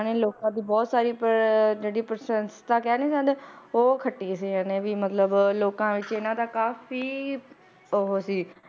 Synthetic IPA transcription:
aneːloːkãːd̪iːbɔːt̪saːɾiːpəɾd͡ʒeːɽiːpəɾsənst̪aːkɛːniːd͡ʒãnd̪eːoːkʰəʈːiːsiːaːnẽːʋiːmət̪ləbloːkãːʋɪt͡ʃɪnãːd̪aːkaːfiː | oɦoːsiː

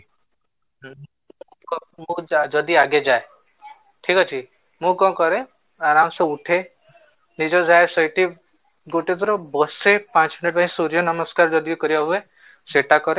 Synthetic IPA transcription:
kmũd͡ʒɔd̪iaɡed͡ʒae | ʈʰikɔt͡ʃʰi | mũkɔ̃kɔɾe | aɾamseuʈʰe | nid͡ʒɔd͡ʒaesɔjʈi | ɡoʈid̪ɔɾɔbɔsepãt͡ʃminiʈbãɦĩsuɾijɔnɔmɔskaɾd͡ʒɔd̪ikɔɾibɔɦue | seʈakɔɾe

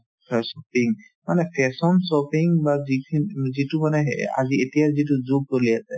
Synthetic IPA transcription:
pʰɛsɔpiŋ | manɛpʰɛsɔnsɔpiŋbazikʰinzitumanɛa̰zietijaɹzit̬uzuɡ̚toliasɛ

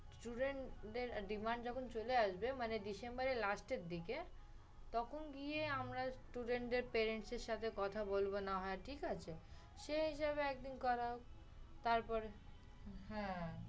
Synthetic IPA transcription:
sʈuɖeɳɖeɾɖimaɳɖd͡ʑɔkʰont͡ɕoleaʃbemanedisembaɾelasʈeɾd̪ike | t̪ɔkʰonɡieamɾasʈuɖeɳʈɖeɾpeɾeɳʈseɾʃat̪ʰekɔt̪ʰabolbonaɦɔeʈʰikat͡ɕʰe | ʃeɦiʃaβeɛk̚d̪inkɔɾaok | t̪aɾpɔɾe | ɦɛ̃

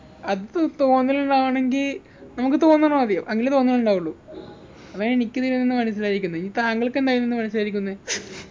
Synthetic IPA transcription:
ɐðɨt̪o̞ːnːiluɳɖaːʋuɳe̞ŋɡil | nɐmuk̬ːɨt̪o̞ːnːɐɳoɐðijɐmʔɐŋːilt̪o̞ːnːiluɳɖaːʋuɭːu | ɐʋaeɳikʲːɨt̪iɾunːinːɨmɐnɐs̬ilaːiɾikʲːunːɐiŋit̪aːŋɡɐɭkːe̞nd̪aːjunːinːɨmɐnɐsilaːiɾikʲːunːɐe

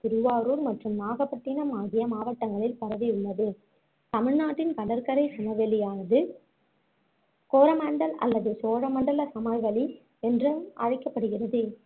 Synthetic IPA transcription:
t̪ɪɾɯʋaːɾuːɾmɐʈrɯmnaːɣɐpɐʈːɪnɐmaːɣɪjɐmaːʋɐʈːɐŋɡɐɭɪlpɐɾɐʋiʊɭːɐðɯ | t̪ɐmɪɻnaːʈːɪnkɐɽɐɾkɐɾɐɪsɪmɐʋɛɭɪjaːnɐðɯ | koːɾɐmɐɳɖɐlɐ̰lːɐðɯsoːɾɐmɐɳɖɐlɐsɐmɐjʋɐɭi | ɛndrɯmʔɐ̰ɻɐɪkːɐpːɐɽɯɣɪrɐðɯ

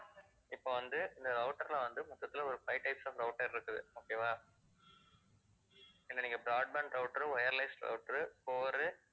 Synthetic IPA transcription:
ɪpːoʋɐnd̪ɯɪnd̪ɐɾɐʊʈːɐɾlãʋɐnd̪ɯmʊt̪ːɐt̪ːɪlɐɔɾɯpɐɪʈɐɪpsaːfɾɐʊʈːɐɾɪɾɯkːɯðɯ̰oːkːeʋaː | ɪlːɐniːŋɡɐbɾaːɖ̚bɐɳɾɐʊʈːɐɾɯʋɐjɐɾlɐɪsʈɾɐ̰ʊʈːɐɾɯpoːɾɯ

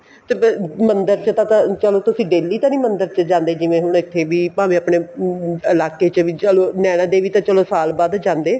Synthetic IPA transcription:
t̪eːmənd̪əɾt͡ʃət̪ãːt̪ãt͡ʃəloːt̪ʊsĩːɖeːliːt̪ãːnĩːmənd̪əɾt͡ʃəd͡ʒãːnd̪eːd͡ʒɪʋẽːɦʊɳ̃ɪt̪ʰːeːbiːpaːʋĩːəpɳeːəlaːkeːt͡ʃəʋiːt͡ʃəloːnɛːɽ̃ãːd̪eːʋiːt̪ãːt͡ʃəlõːsaːlbaːd̪d͡ʒãːnd̪eː

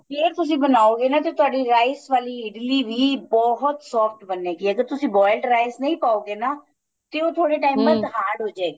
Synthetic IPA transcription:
peːɾt̪ʊs̬ĩːbənaːoːɡeːnaːt̪et̪ʊaːɖiːɾaːɪsʋaːliːɪɖliːʋiːbɔːɦʊt̪sɔːfʰʈbənːeːkiːəɡəɾt̪ʊsĩːbɔːɪlʈɾaːɪsnəĩːpaːoːɡeːnaː | t̪eːoːt̪ʰoːɽeːʈ̬aːimbə̃t̪ɦaːɾɖɦoːd͡ʒaːɡi

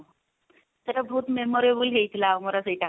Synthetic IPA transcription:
t̪əɾəbʱut̪memɔɾebuːlɦeit̪ʰlaʋmɔɾasəjiʈ̪a

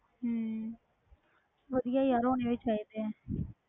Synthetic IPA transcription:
ɦ | ʋəd̪ijaːiːəɾõːneʋet͡ʃaːeːt̪eː

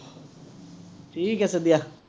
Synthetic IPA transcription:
ʈʰiːkːɛːsed̪ija

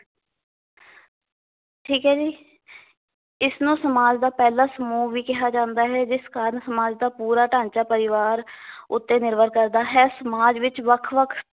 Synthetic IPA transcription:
ʈʰiːkɦɛːd͡ʒiː | ɪsnũːsəmaːd͡ʒd̪aːpɛːlaːsəmuːʋiːkɪɦaːd͡ʒãːnd̪aːɦɛːd͡ʒɪskaːɾənsəmaːd͡ʒd̪aːpuːɾaːʈãːɲt͡ʃaːpəɾɪʋaːɾʊt̪ːeːnɪɾbəɾkəɾd̪aːɦɛːsəmaːd͡ʒʋɪt͡ʃʋəkʰʋəkʰ

